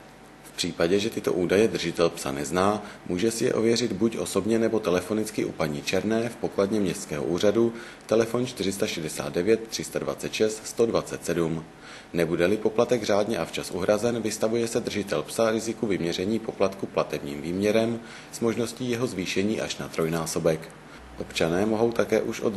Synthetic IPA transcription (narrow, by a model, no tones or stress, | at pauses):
fpr̥iːpaɟɛʒɛt̪ɪt̪o̞̰ʔuːdajɛd̪r̩ʒɪt̪ɛlpsa̰nɛznaːmuːʒɛsɪjɛ̰ʔovjɛrɪd̪bucʔo̞so̞bɲɛnɛbo̞t̪ɛlɛfo̞nɪt͡skɪʔṵpaɲiːt͡ʃɛɾnɛːfpo̞kladɲɛmɲɛst̪t͡skɛːɦoʔuːradu | t̪ɛlɛfont͡ʃt̪ɪrɪst̪aʃɛdɛsa̰ːd̪dɛvjɛt̪̚ːr̥ɪst̪adva̰t͡sɛt̪ʃɛst̪st̪o̞dvat͡sɛt̪sɛdum | nɛbudɛlɪpo̞plat̪ɛɡraːdɲɛʔaft͡ʃasʔṵɦɾazɛnvɪst̪avujɛsɛd̪r̩ʒɪt̪ɛlpsaɾɪzɪkuvɪmɲɛɾɛɲiːpo̞plat̪kuplat̪ɛbɲḭːmviːmɲɛɾɛm | z̥mo̞ʒno̞sciːjɛɦo̞zviːʃɛɲiːʔa̰ʃnat̪ɾo̞jnaːso̞bɛk | ʔo̞pt͡ʃanɛːmo̞ɦo̞wt̪akɛːʔuʃʔo̰